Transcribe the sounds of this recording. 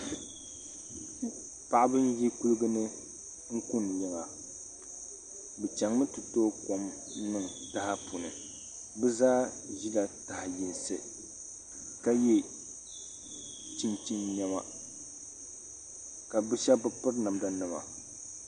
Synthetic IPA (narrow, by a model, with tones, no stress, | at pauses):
pa˨ʔa˦bɨ˦n˦ji˦ku˦lɨ˦ɡɨ˦nɨ˦ | ŋ̩˦ku˦n˨lɪ˨ŋa˨ | bɛ˨t͡ʃɛ˨ŋmɨ˦tɨ˨toː˦ko˦m˦ | nɨ˦˨ŋ˨ta˦ha˦pu˨nɨ˨ | bɛ˦zaː˦ʒi˦la˨ta˨hɪ˨ji˨n˨sɨ˨ | ka˦je˦ | t͡ʃi˦nt͡ʃi˦nɲɛ˦ma̰˦ | ka˨bɨ˦ʃɛ˦bɨ˦pɨ˦ɾna˨mda˨nɨ˦ma̰˨